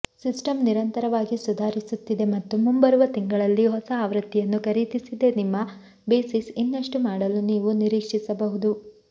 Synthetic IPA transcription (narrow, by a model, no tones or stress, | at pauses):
sisʈɐmniɾɐnt̪ɐɾɐʋaːɡisud̪ʱaːɾisut̪ːid̪e̞mɐt̪ːumumbɐɾuʋɐt̪iŋɡɐɭɐlːiɦɔsɐːʋɾɐt̪ːijɐnːukɐɾit̪isid̪e̞nimːɐ | beːsisinːɐʂʈumaːɽɐluniːʋuniɾiːkʂisɐbɐɦud̪u